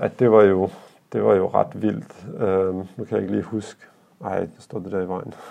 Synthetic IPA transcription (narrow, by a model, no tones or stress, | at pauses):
æd̥e̝ʋɑ̈jo̝ | d̥e̝ʋɑ̈jo̝ʁɑ̰d̥ʋil̰d̥ønukʰæjɑ̰e̝ɡ̥əliːhusɡ̥ə | ɑ̈ɪ̰d̥ɑsd̥ɔ̰ːd̥ed̥æɐiʋɑ̈ɪ̰n̩